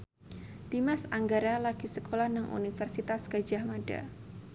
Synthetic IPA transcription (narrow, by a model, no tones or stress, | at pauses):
d̥imasaŋɡaɾalaɡ̥isəkʰolahnaŋʔṵnifərsit̪asɡad͡ʒahmada̰